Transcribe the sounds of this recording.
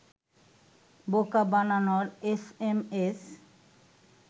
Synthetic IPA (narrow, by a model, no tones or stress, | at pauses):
bokabananoɾesemes